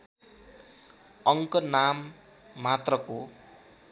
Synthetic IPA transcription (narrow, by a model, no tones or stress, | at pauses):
ʌŋkʌnamː | at̪rʌko